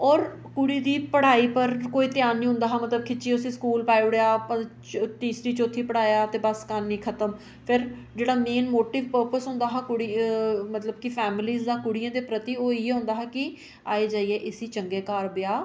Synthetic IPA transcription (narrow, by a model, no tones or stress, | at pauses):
ɔːɾ | kʊɽiːd̪iːpəɽ̤aːiːpəɾkoːiːt̪jaːnːĩːɦʊ̃nd̪aːɦaːmət̪ləb̚kʰɪt͡ʃiːʊsĩːskuːlpaːiɽejaːpã | t̪iːsɾiːt͡ʃoːt̪ʰiːpəɽ̤aːjaːt̪eːbəskanːĩːkʰət̪əm | pʰɪɾ | d͡ʒeːɽaːmeːnmoːʈɪːʋpəɾpəsɦʊ̃nd̪aːɦaːkʊɽiːmət̪ləbkɪpʰɛːmliːzd̪ãːkʊɽijãːd̪eːpɾət̪iːoːiːeːɦʊ̃nd̪aːɦaːkɪ | aːeːd͡ʒaːiːeːʔɪsiːt͡ʃəŋɡeːkaːɾbɪjaː